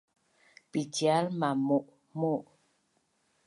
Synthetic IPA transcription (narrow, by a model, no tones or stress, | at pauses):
pitjalmamoʔ | moʔ